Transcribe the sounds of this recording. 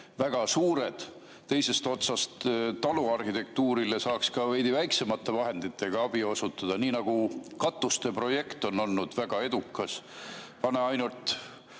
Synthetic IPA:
væɡ̥ɑsuːɾe̞d̪̥ | t̪ːe̞jse̞st̪o̞t̪sɑst̪t̪ːɑluɑrhit̪e̞k̚t̪uːɾilesɑːkskɑvejd̪ivæjkse̞mɑt̪ˑːe̞vɑɦe̞nd̪̥it̪ʰːˑe̞ɡ̥ɑɑb̥io̞sut̪ːˑɑd̪̥ɑniːnɑɡ̥ukɑt̪ːˑust̪e̞pro̞je̞kt̪o̞no̞lnud̪̥væɡ̥ɑe̞d̪ukːˑɑspɑneɑjnult̪

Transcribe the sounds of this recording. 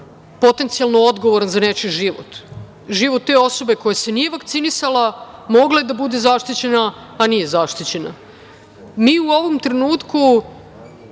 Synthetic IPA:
po̞t̪e̞nt̪sialˠnoo̞d̪ɡoʋoɾanzanet͡ʃiʒiʋot̪ | ʒiʋot̪ːe̞o̞so̞be̞ko̞jase̞nije̞ʋakt̪sinisalamo̞ɡlaed̪abud̪ezaʃt̪it͡ɕe̞naː | nije̞zaʃt̪it͡ɕe̞na̰ | miːuo̞ʋomt̪ɾenuːt̪ku

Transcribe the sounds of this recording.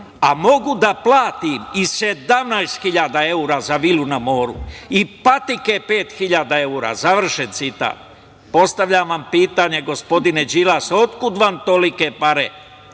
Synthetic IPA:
amo̞ɡud̪aplaːt̪imise̞d̪amnajst̪xiʎaːd̪ae̞uːɾazaʋilunamo̞ːɾṵipat̪ikepe̞ːt̪xiʎaːd̪ae̞uːɾa̰zaʋr̩ʃent̪sit̪a̰ːt̪ | po̞st̪aʋʎaʋampiːt̪aɲe̞ɡo̞spo̞d̪ine̞d͡ʑilaso̞t̪kud̪ʋant̪o̞likepaɾe

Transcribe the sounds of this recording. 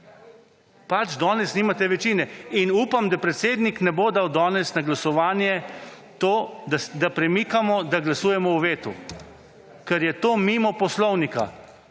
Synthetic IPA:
pat͡ʃd̪ɔːnɛsniːmat̪ɛʋɛt͡ʃiːnɛinuːpamd̪apɾɛt̪seːd̪niknɛboːd̪awd̪ɔːnɛsnaɡlasɔʋaːnjɛ | t̪oːd̪d̪apɾɛmiːkamɔd̪aɡlasuːjɛmɔwʋeːt̪ṵ | kɛɾjɛt̪oːmimɔpɔslɔwnika̰

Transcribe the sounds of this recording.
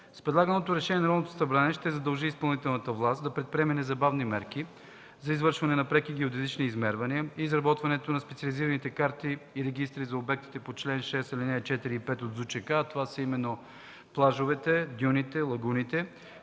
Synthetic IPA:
spɾɛd̪lˠaɡənot̪oɾɛʃɛniɛnɐɾɔd̪not̪o̥sɐbɾanɛʃt̪ɛzɐd̪ɐlˠʒiːspɐlˠnit̪ɛlˠnət̪əvlˠast̪d̪ɐpɾɛt̪̚pɾʲiɛmɛnɛzɐbavnimɛɾki | zɐizvɤɾʃvɐnɛnɐpɾɛkiɡɛod̪ɛzit͡ʃniːzmɛɾvɐniəiːzɾɐbɔt̪vɐnɛt̪onɐspɛt̪sʲɐliziɾɐnit̪ɛkaɾt̪iːɾɛɡist̪ɾizɐobɛk̚t̪i̥t̪ɛpot͡ʃlɛnʃɛsilinɛt͡ʃɛt̪iɾiːpɛt̪od̪zut͡ʃɛkaːt̪ovasɐimɛnːo | plˠaʒovɛt̪ɛd̪junit̪ɛlˠɐɡunit̪ɛ

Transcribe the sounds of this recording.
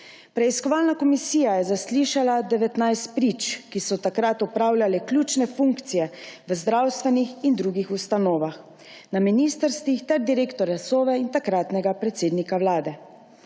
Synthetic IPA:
pɾɛiskɔʋaːlnakɔmisiːjajɛzasliːʃalad̪ɛʋɛt̪najst̪̚pɾit͡ʃkisɔt̪akɾat̪ɔpɾaːwljalɛklʲut͡ʃnɛfuŋkt̪sijɛʋəzd̪ɾawst̪ʋɛnixind̪ɾuːɡixust̪anɔːʋax | naminiːst̪əɾst̪ʋixt̪ɛɾd̪iɾeːkt̪ɔɾjasoːʋɛint̪akɾat̪nɛɡapɾɛt̪seːd̪nikawlaːd̪ɛ

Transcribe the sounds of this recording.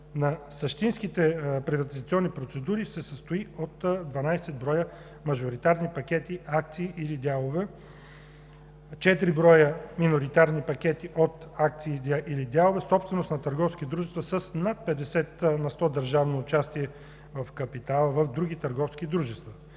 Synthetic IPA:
nɐsɐʃt̪inskit̪ɛpɾivɐt̪izɐt̪siɔnːipɾot̪sɛd̪uɾisɛsəst̪oiot̪d̪vɐnajsɛd̪̚bɾɔjə | mɐʒoɾit̪aɾnipɐkʲɛt̪iak̚t̪siːʔilid̪ʲjalˠovɛ | t͡ʃɛt̪ɾibɾɔjəminoɾit̪aɾnipɐk̟ʲɛt̪iʔot̪ak̚t̪siːəʔilid̪ʲalˠovɛsɔpst̪vɛnosnɐt̪ɐɾɡɔfskʲit̪d̪ɾuʒɛst̪vəsəsnat̪̚pɛd̪ɛsɛt̪nɐst̪ɔd̪əɾʒavnoːt͡ʃast̪iɛ | vɐfkɐpit̪alˠəvɐvd̪ɾuɡit̪əɾɡɔfsk̟id̪ɾuʒɛst̪vɐ

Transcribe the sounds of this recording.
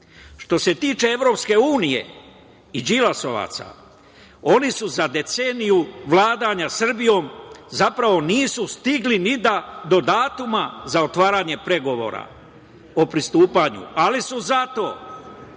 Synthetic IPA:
ʃt̪o̞se̞t̪iːt͡ʃe̞eʋɾo̞pske̞uːnije̞̰ | id͡ʒilaso̞ʋa̰ːt̪sa̰ | o̞nisuzad̪e̞t̪senijuʋlaːd̪aɲasr̩bijo̞ːmzapɾaʋo̞niːsust̪iɡlinid̪ad̪o̞d̪aːt̪umazaot̪ʋaːɾaːɲe̞pɾe̞ɡo̞ʋo̞̰ːɾa̰ | o̞pɾist̪uːpaɲṵalisuzat̪o̞̰ː

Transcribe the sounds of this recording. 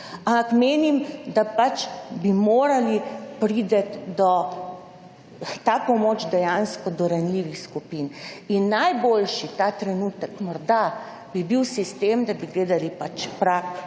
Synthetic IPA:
ampakmeːnimd̪apat͡ʃbimoːɾalipɾid̪ɛt̪d̪ɔ | t̪aːpɔmoːt͡ʃd̪ɛjanskɔd̪ɔɾanliʋixskupininːajbolʃit̪at̪ɾɛnuːt̪əkmɔɾd̪a | b̥ibiwsist̪emd̪abiɡleːd̪alipat͡ʃpɾak

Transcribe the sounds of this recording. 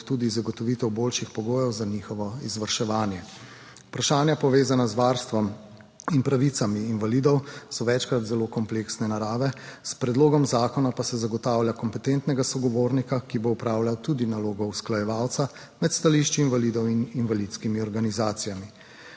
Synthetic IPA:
t̪ud̪izaɡɔt̪ɔʋiːt̪ɛwbolʃixpɔɡoːjɛwzaniːxɔʋɔizʋɐɾʃɛʋaːnjɛ | upɾaʃaːnjapɔʋeːzanazʋaɾst̪ʋɔm | inpɾaʋit̪samiːnvalid̪ɔwsɔʋɛt͡ʃkɾat̪zɛlokɔmpleksnɛnaɾaːʋɛspɾɛd̪loːɡɔmzaːkɔnapasɛzaɡɔt̪aːwljakɔmpɛt̪ent̪nɛɡasɔɡɔʋoːɾnikakiboupɾawljawt̪ud̪inaloːɡɔusklajɛʋawt̪sa | mɛt̪st̪aliʃt͡ʃiinvalid̪ɔwininvalid̪t̪skimiɔɾɡanizaːt̪sijami

